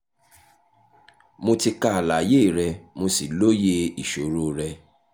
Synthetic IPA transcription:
mo˧ti˧ka˦˧a˨la˨je˦i˨ɾɛ˧mo˧si˨lo˦je˧i˨ʃo˨ɾo˦ɾɛ˧

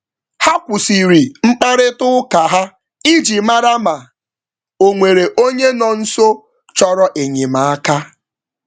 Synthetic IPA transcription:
ha˦kʷʊ˨si˨ɾi˨ŋ͡m̩˦k͡pa˦ɾɪ˦tʊ˦ʊ˦ka˨ɦa˦ | i˦d͡ʒi˨ma˦ɾa˦ma˨ | o˨ŋʷe˨ɾe˨ʔo˦ɲe˦nɔ˨n̩˦so˦ | t͡ʃɔ˦ɾɔ˦ʔe˨ɲe˨ma˨a˦ka˦

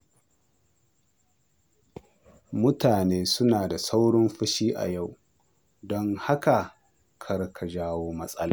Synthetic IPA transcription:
mʊ˦taː˨neː˦sʊ˦naː˨da˨sa˦wɽɪ˦mɸɐ˦ʃiː˦ʔa̰˨ja˦˨w | dɔ˦ŋha˦ka˨ | kʰɐ˦rkʰa˨ʒaː˦woː˦mɐ˦sʼɐ˦laː˨

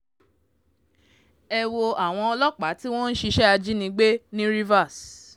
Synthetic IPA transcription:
ɛ˧wo˧a˨w̃ɔ̃˧ɔ˧lɔ˦k͡pa˨˦ti˦w̃ɔ̃˦n̩˦ʃi˧ʃɛ˦a˧d͡ʒi˦nĩ˧ɡ͡be˦nĩ˦ɾi˦va˦˨s

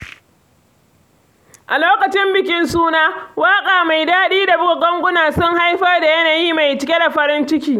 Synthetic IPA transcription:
ʔa˨loː˦kɐ˨t͡ʃɪ˦mbɪ˨kʲɪ˦nsuː˦naː˦waː˦kʼaː˨ma˨jdaː˦ɗiː˦da˨bʊ˦ɡo˨ɡʷɔ˦ŋɡʷʊ˦naː˨sʊ˦ŋha˦jɸɐ˦rda˨jɐ˦naː˨jiː˦ma˨jt͡ʃɪ˨kʲe˦da˨ɸɐ˦ɾɪ˦nt͡ʃɪ˦kʲiː˨

